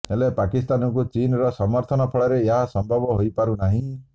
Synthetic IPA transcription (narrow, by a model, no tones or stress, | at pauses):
elepakist̪anɔŋkut͡ʃinɾɔsɔmɔɾt̪ʰɔnɔpʰɔɭɔɾeeɦasɔmbʱɔbɔɦojpaɾunaɦĩ